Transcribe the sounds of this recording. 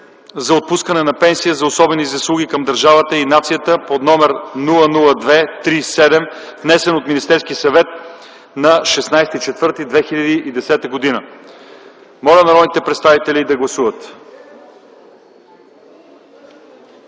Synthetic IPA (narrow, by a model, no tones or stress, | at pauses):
zɐot̪̚puskənɛnɐpɛnsijəzɐosɔbɛnizɐslˠuɡʲikɐmd̪ɐɾʒavət̪əinat̪sijət̪əpod̪nɔmɛɾnulˠənulˠəd̪vɛt̪ɾisɛd̪ɛm | vnɛsɛnot̪minist̪ɛɾskisɐvɛt̪̚ | nɐʃɛsnajsɛt̪it͡ʃɛt̪vɤɾt̪id̪vɛxiʎʲɐd̪iʔid̪ɛsɛt̪əɡod̪inə | mɔlʲɐnɐɾɔnit̪ɛpɾɛt̪st̪avit̪ɛlid̪ɐɡlˠɐsuvət̪